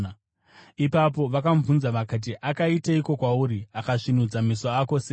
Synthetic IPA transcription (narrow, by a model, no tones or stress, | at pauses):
ipap̬o̞ʋakaɱvunzaʋakat̬iʔakaitaiko̞kwauɾiakaʂinud͡zamisoako̞seː